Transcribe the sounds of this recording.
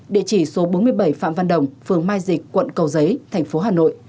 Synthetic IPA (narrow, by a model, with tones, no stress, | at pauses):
ɗḭ˧˨ət͡ɕi˧˩so˨˦ɓo˨˦mɨ˧əjɓə˧˩jfa̰ː˧˨mva˧nɗə˨˩wŋ͡mfɨ˨˩əŋmaː˧jzï˨˩k̟̚kwə̰˧˨nkə˨˩wzə˨˦jt̪ʰɛ˨˩jŋ̟fo˨˦ɦaː˨˩no̰˧˨ʔ